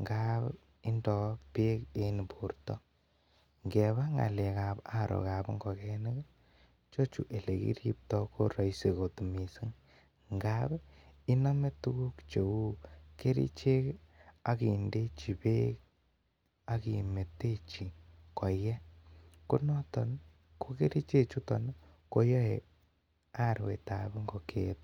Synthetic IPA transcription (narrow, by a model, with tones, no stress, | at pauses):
ŋɡa˦b | ɪ˦ndɔ˨pe˦ke˦ni˨po˨rtɔ˦ | ŋɡɛ˨βa˦ŋa̰˨le˨ka˨pa˦˨ɾo̰˨ka˨pŋɡɔ˨kɛ˦nɪ˦k | t͡ʃo˦t͡ʃṵ˨ʔe˨le˨kḭ˦ɾi˦p̚tɔ˦ko˦ɾɔ˨jse˨ko˨tu˨mi˨si˦ŋ | ŋɡa˦bi˦na˦me˦tu˦ku˦kt͡ʃe˨wu˦ke˦ɾḭ˦t͡ʃe˦ka˦ki˨nde˦t͡ʃi˨pe˦k | a˦ki˨me˨te˦t͡ʃi˨kɔ˨jjɛ˦ku˦nɔ˦tɔ˨n | ko˦ke˦ɾi˦t͡ʃe˦t͡ʃu˦tɔ˨n | ko˦jɔ˦e˨ | a˦˨ɾwḛ˨ta˨be˦ŋɡɔ˨kʰet